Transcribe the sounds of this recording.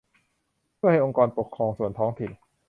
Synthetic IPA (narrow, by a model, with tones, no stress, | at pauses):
pʰha˥˩jʔo˧ŋkɔː˧npo˨˩kʰːɾɔː˧ŋsu˨˩ənt̪ʰɔː˦˥ŋt̪ʰi˨˩n